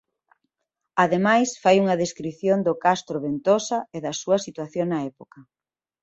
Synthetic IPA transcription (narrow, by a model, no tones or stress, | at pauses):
aðemajsfajuŋɐðeskɾiθjond̪ʊkast̪ɾoβent̪osɐeðɐsuɐsit̪waθjoŋnɐɛpokɐ